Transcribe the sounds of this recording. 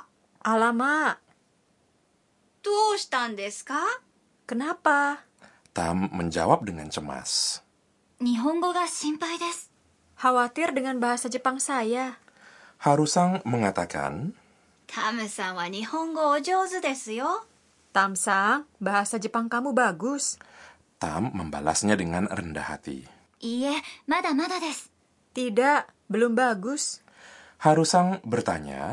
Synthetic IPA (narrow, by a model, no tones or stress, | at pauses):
ʔalama | d̪̥oːɕi̥t̪ãnd̪esɨ̥ka | kənapa | t̪a̰mːəɲd͡ʒa̰wap̚dəŋa̰nt͡ʃəma̰s | ɲiɦõŋɡoɡaɕĩmpaid̪esɨ̥ | hawat̪ɪrdəŋanbaɦasad͡ʒəpaŋsaja | haɾusaŋməŋat̪aka̰n | t̪ʰamɯsãŋwaɲihõŋɡoːd͡ʒozɨd̪esɨjo | t̪amsaŋbaɦasad͡ʒəpaŋkamubaɡʊs | t̪a̰mːəmba̰la̰sɲadəŋanrə̰nda̰ha̰t̪ḭ | iemat̪amat̪ad̪esɨ̥ | t̪idaʔ | bəlʊmbaɡʊs | haɾusaŋbərt̪a̰ɲa̰